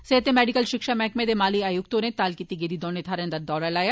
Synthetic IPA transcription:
seɦt̪ẽmɛːɖikəlʃɪkʃamɛ̃ːkmẽd̪emaːliaːjʊk̚t̪oːɾnẽt̪aːlkit̪iɡeːd̪id̪oːnet̪ʰaːɾɐ̃nd̪ɐɾd̪ɔːɾalaːja

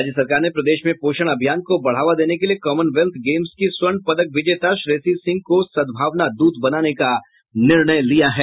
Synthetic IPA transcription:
aːd͡ʒjəsɐɾkaːɾnepɾɐd̪eːʃmẽpoːʃəɽ̃ɐbʱijaːnkobɐɽ̤aːʋad̪eːnekeliekɔːmənʋelt̪ʰɡeːmskiswəɳɖpɐd̪ək̚ʋɪd͡ʒeːt̪aʃɾeːsisɪ̃ŋɡ̚kosɐd̪bʱaːʋnad̪uːd̪bɐnaːneka | nɪɾɳəjlijaɦɛː

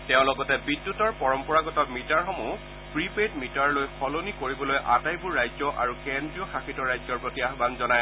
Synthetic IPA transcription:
tɛʊ̃lɔɡɔtɛbidːutɔɹpɔɹɔmpɔɹaɡɔtɔmitaɹxɔmu | pɹipetmitaɹlojxɔlonikoɹibɔlojʔatajbuɹːajzɔʔa̰ɹukendɹiɔxaxitɔɹajzɔɹpɹotijaxbanzɔnaj

